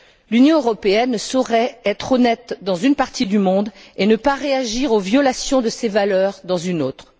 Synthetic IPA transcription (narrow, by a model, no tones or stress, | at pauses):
lynjɔ̃øʁɔpeɛnːəsɔʁɛɛt̪χɔnɛt̪d̪ɑ̃zynpaʁt̪id̪ymɔ̃d̪enəpaʁeaʒiʁovjɔlasjɔ̃d̪əsevalœʁd̪ɑ̃zynoːt̪χ